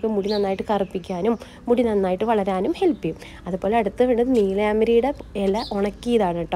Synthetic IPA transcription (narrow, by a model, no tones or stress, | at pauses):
kːemuɽinɐnːaːjiʈːɨkɐrɐpːikʲːaːnumː | uɽinɐnːaːjiʈːɨʋɐɭɐɾaːnumhe̞lpːi | ɐðɨpo̞ːleɐɽut̪ːɨʋeːɳɖɐðɨniːlɐjaːmɐɾijuɽeelːɐʔoɳɐkːijɐðaːɳɐʈːɐ